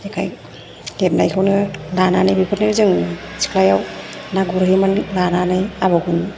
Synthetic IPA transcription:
ekʰaj | lep̚najkʰɯwnɯlananajbipʰɔtnajɾzɯŋɯnɯsi̥klajawnaɡuɾahimanlananajaβakʰun

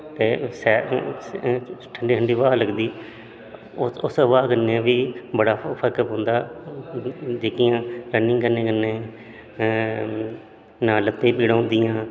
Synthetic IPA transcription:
t̪eːsɛː | ʈʰəɳɖiːɦəɳɖiːʋaːləɡd̪iː | ʊsʋaːkənːeãːʋiːbəɽaːpʰəɾkɦõːnd̪aː | d͡ʒeːkɪjãːɾənːĩːkənːẽːkənːẽː | nãːlət̪ːẽːpiːɽãːnd̪ɪjãː

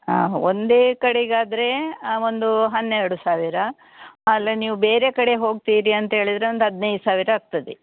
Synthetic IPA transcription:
aːond̪e̞ːkɐɽeɡaːd̪ɐɾe̞o̞nd̪uɦɐnːɛɾɽusaːʋiɾɐ | ɐlːeniːʋube̞ːɾe̞kɐɽe̞ɦo̞ːɡ̚t̪iːɾiɐnt̪ɐɦe̞ːɭid̪ɾe̞ond̪uɦɐd̪nɐjd̪usaːʋiɾɐak̚t̪ɐd̪e

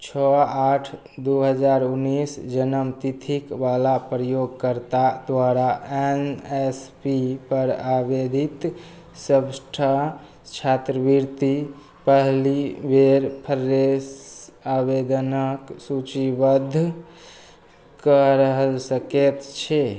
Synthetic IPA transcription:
t͡ʃʰɔaʈʰ | d̪uɦəd͡ʒaɾunːisd͡ʒənəmt̪it̪ʰikʋalapɾəjoɡ̚kəɾt̪ad̪waɾaenespipəɾabed̪ʱit̪ | səbsʈʰa | t͡ʃʰat̪ɾəbiɾt̪i | pəɦlibeɾpʰəɾːesabed̪ənəksut͡ʃibəd̪ʱː | kəɾəɦlsəket̪t͡ʃʰɛ

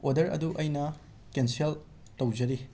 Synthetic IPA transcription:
odɐɾɐ̰duʔɐjnɐ | kensiel | tɐwd͡ʒɐɾi

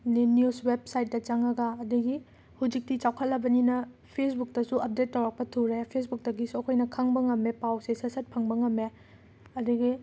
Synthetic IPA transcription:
ninjusweb̚sajt̚dɐt͡ʃaŋɐɡɐːduɡi | hud͡ʒik̚tit͡ʃawkʰɐtlɐbɐninɐpʰesbuk̚tɐsuɐp̚detːɐwɾɐk̚pɐtʰuɾejpʰes̬buk̚dɐɡisuɐkʰojnɐkʰaŋbɐŋɐmepawsesɐsɐt̚pʰɐŋbɐŋɐmːe | ɐduɡi

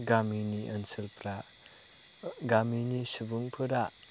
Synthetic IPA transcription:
ɡaminiʔɐnsɯlpɾa | ɡaminisɯbuŋpʰɯɾa

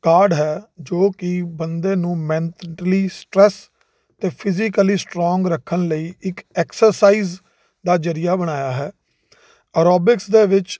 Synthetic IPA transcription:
kaːɾɖɦɛːd͡ʒoːkɪbənd̪eːnũːmɛ̃ːnt̪ʈəliːsʈɾɛːs | t̪eːpʰɪzɪkəliːsʈɾɔːŋɡɾəkʰːənləiːʔɪkɛːksəɾsaːiːz | d̪aːd͡ʒəɾɪjaːbəɽ̃aːjaːɦɛː | əɾɔːbɪksd̪eːʋɪt͡ʃ

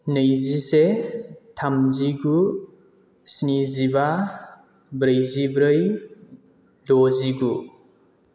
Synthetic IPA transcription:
nəjzisetʰamziɡu | sniziba | bɾɯjzibɾɯj | doziɡu

